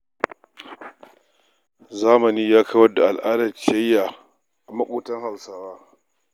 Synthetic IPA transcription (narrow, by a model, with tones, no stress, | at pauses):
zaː˦mɐ˨niː˦jaː˦kʰa˦wɐ˦da˨ʔa˨lʔaː˦dɐ˨t͡ʃɪ˦ɐ˦jːaː˨ | a˨mɐ˦kʷʼuː˦tɐ˦ŋha˨wsaː˦waː˦